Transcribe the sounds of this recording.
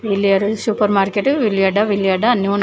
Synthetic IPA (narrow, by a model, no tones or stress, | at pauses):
ʋilːijaɾsupɐɾmaːɾkeʈʋilijaɖɐʋilijaɖɐɐnːiun